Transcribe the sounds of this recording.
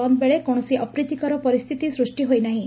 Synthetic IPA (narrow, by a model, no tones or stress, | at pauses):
ɔmbeɭekɔɽ̃ɔsiʔɔpɾit̪ikɔɾɔpɔɾist̪ʰit̪isɾusʈiɦojnaɦĩ